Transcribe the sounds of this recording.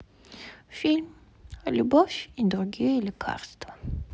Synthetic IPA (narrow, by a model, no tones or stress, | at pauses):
fʲilʲm | lʲubofʲid̪ɾuɡʲijəlʲikʰa̰rst̪vɐ